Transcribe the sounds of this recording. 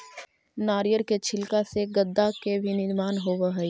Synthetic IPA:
naːɾijəɾket͡ʃʰɪlkaseɡəd̪ːakebʱinɪɾmaːnɦoːʋaɦɛ

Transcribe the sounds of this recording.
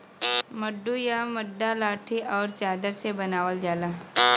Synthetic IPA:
mɐɖːujamɐɖːalaːʈʰiʔɔːɾt͡ʃaːd̪əɾsebɐnaːʋəld͡ʒaːla

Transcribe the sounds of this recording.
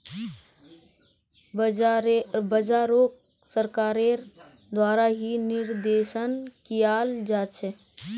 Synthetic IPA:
bəd͡ʒaːɾok | səɾkaːɾe | d̪waːɾaɦinɪɾd̪eːʃənkijaːld͡ʒaːt͡ʃʰɛ

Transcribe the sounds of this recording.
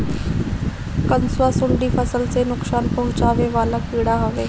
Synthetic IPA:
kənswaːsʊɳɖifɐsəlsenʊksaːnpɐɦʊt͡ʃaːʋeʋaːlapiːɽaɦoʋeː

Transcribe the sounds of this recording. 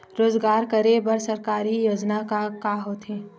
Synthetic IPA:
ɾoːzɡaːɾkɐɾebɐɾsɐɾkaːɾijoːd͡ʒnakakaɦoːt̪ɦẽː

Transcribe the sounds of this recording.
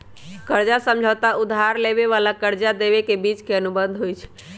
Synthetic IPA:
kəɾd͡ʒasə̃md͡ʒʱət̪aud̪ʱaɾleβeʋalakəɾd͡ʒad̪eβekebit͡ʃkeənubənd̪ʱɦojt͡ʃʰɛ̥

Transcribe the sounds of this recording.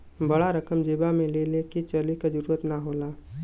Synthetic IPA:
bəɽaɾəkəmd͡ʒeːbamẽlelekit͡ʃəlikad͡ʒəɾuːɾət̪naɦoːlaː

